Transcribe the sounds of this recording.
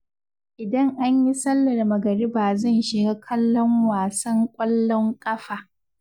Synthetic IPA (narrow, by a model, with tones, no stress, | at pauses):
ʔɪ˨dɐ˦ŋʔa˦ɲji˦sɐ˦lːɐ˨rmɐ˨ɡɐ˨ɽi˦ba˨zɐ˦˨nʃɪ˨ɡaː˦kʰɐ˦lːɔ˦ŋwaː˨sɐ˦ŋkʷʼɐ˦lːɔ˦ŋkʼɐ˦ɸaː˨